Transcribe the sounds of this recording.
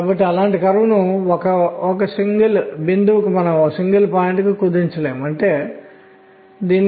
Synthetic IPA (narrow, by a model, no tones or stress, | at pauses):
abɐʈːiɐlaːɳʈikɐɾʋɐnuɔkɐɔk̬ɐsiŋɡɐlbind̪uʋukumɐnɐmɔksiŋɡɐlpaːjiɳʈkikud̪iɲt͡ʃɐleːmɐɳʈe̞ː | d̪iːnː